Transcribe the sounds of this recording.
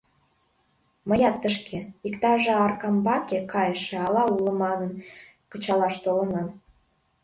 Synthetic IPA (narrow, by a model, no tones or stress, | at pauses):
məjɑt̪ːəʃkeikt̪ɑʒɑɑrkɑmbɑkekɑjəʃeɑlɑulə̆mɑnən | kət͡ɕɑlɑʃt̪olə̆nɑm